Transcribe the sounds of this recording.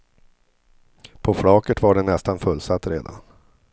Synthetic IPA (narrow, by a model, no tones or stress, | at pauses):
pʰɔfɽɑːkəʈvaɖɛnɛst̪anfɵlːsat̪ːɾḛːd̪a̰n